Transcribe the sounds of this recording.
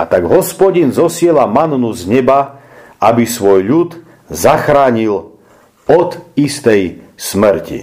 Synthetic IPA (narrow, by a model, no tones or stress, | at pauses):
a̰t̪aɡɦɔspɔɟinzɔsɪɛlamanːuzɲɛba | abisʋɔjʎud̪ | zaxɾaːɲil | ɔd̪ist̪ɛjsmɾcḭ